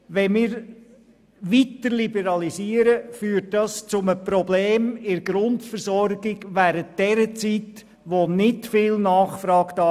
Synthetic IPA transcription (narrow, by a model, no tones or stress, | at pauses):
ʋɛnmɪːɾ | ʋitəɾlibɛɾɑlisiːəɾəfyːɾt̚dɑst͡sʊməpɾɔbleːmɪɾɡɾʊntfəɾsɔɾɡɪɡʋæːɾənt̚d̥ɛɾət͡sit | ʋonɪtfɪlnɑːχfɾɑːɡd̥ɑ